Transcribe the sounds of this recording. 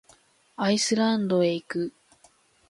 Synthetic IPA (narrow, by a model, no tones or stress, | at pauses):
aisɨɾãnd̪o̞e̞ikɯ̟